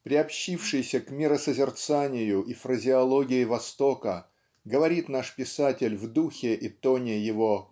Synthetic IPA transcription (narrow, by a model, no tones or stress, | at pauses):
pɾʲɪɐpɕːifʂɨjsʲəkmʲɪɾəsəzʲɪrt̪sanʲɪjʊʔifrəzʲɪɐlˠoɡʲɪɪvɐst̪okə | ɡəvɐɾʲit̪naʂpʲɪsatʲɪlʲvd̪uxʲɪʔɪt̪onʲɪjɪvo